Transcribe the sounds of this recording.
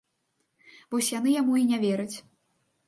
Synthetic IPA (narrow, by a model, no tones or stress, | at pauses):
vɔsʲjan̪ɨjamuinʲavʲɛɾɨt͡sʲ